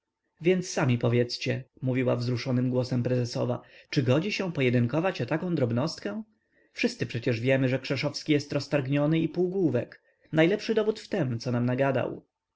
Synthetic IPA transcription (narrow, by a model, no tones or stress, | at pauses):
vʲjɛnt̪sːamʲipɔvʲjɛt̪st͡ɕɛmuvʲiwa̰vzɾuʂɔnɘmɡwɔsɛmpɾɛzɛsɔ̰va̰t͡ʂɘɡɔd͡ʑiɕɛ̃pɔjɛd̪ɘŋkɔvat͡ɕɔt̪akɔ̃w̃d̪ɾɔbnɔst̪kɛ | fʂɘst̪sɘpʂɛt͡ɕɛʐvʲjɛmɘʐɛkʂɛʂɔfskʲijɛst̪ɾɔst̪aɾɡɲɔnɘipuwɡwuvɛk | najlɛpʂɘd̪ɔbut̪ft̪ɛmt̪sɔnamnaɡad̪a̰w